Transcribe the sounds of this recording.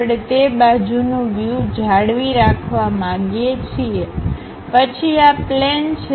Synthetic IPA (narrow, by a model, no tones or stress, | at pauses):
ɽet̪ebad͡ʒunũʋjud͡ʒʱaɽʋiɾakʰʋamãɡet͡ʃʰie | pət͡ʃʰiaplɛnt͡ʃʰ